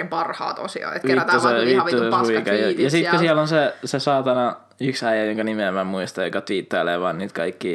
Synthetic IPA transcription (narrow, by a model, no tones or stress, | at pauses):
impɑrhɑ̰ːt̪o̰sḭɑ̰ːet̪kit̪ːoseʋitːusensuikɑjɑjɑsik̪kosiælonsesesɑːt̪ɑnɑ | yksæijæjoŋkɑnimiemæmuist̪ɑjokɑt̪ʋiːˑt̪ːɑileːʋɑːnniːt̪kɑikːiː